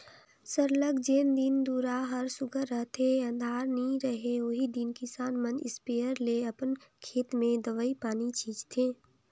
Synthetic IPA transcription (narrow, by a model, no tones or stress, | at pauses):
səɾləɡd͡ʒeːnd̪ind̪uːɾaɦəɾsʊɡʱəɾəɦt̪ʰeə̃nd̪ʱaːɾnĩɾəɦeoːɦid̪ɪnkisaːnmənɪspeːəɾleəpənkʰeːt̪mẽd̪əʋəipaːnit͡ʃʰiːd͡ʒt̪ʰeː